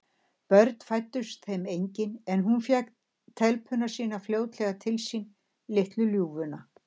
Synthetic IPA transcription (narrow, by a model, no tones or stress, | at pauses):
pœɾt̪n̥fajt̪ːʏst̪θejmejɲcɪnɛnɦunfjɛk | t̪ʰɛlpʰʏnasiːnafljoːwt̪lɛɣat̪ʰɪlsin | lɪht̪lʏljuːvʏna